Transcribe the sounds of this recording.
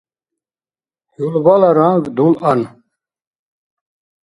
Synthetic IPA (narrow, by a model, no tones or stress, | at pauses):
hulbalaɾaŋɡd̪ulɐn